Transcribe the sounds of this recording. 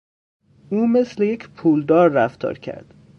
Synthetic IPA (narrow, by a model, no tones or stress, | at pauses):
ʔuːme̞sleje̞cʰpʰuːld̪ɒːɾːæft̪ʰɒ̰ːɾcʰæ̰ɾd̪̥